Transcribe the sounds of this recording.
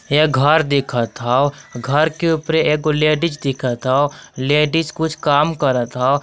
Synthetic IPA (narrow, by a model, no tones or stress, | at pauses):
jɛɡʱəɾd̪ɪkʰat̪ʰaoɡʱəɾkeʊpɾeeːk̚oleːɖɪd͡ʒd̪ɪkʰat̪ʰaoleːɖɪd͡ʒkʊt͡ʃʰkaːmkəɾat̪ʰao